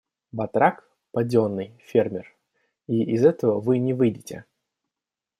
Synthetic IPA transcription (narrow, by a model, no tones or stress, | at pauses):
bɐt̪ɾak | pɐdʲo̞nːɨjfʲermʲɪr | iɪzɛt̪əvəvɨnʲɪvɨjdʲɪtʲɪ̰